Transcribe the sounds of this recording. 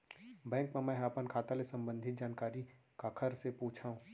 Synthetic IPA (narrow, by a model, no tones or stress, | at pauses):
bɛ̃ːŋkmemɛ̃ɦaːpənkʰaːt̪alesɐ̃mbə̃nd̪ʱɪt̪̚d͡ʒaːnkaːɾi | kaːkʰəɾsepuːt͡ʃʰaːũː